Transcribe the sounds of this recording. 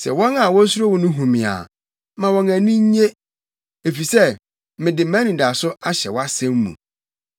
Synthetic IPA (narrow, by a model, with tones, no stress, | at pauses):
sɛ̰˨wɔ̃˦na˨wɔ˦su˦o˦wʊ̃˨nʊ̃˦ɦũ˨mĩ˨a̰˨ | mã˨wɔ̃˨næ̃˨nĩ˦ɲ˦ɲe˦ | e˨fi˨sɛ˦ | mɪ̃˨dɪ˨m̩˦mæ̃˦nĩ˨da˨sʊ˦a˦ɕɛ̰˨wɔ˦a˦sæ̃˦mːṵ̃˨